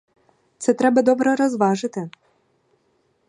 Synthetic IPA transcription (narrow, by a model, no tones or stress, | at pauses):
t̪sɛt̪ɾɛbɐd̪ɔbɾɛɾɔzʋɑʒɪt̪ɪ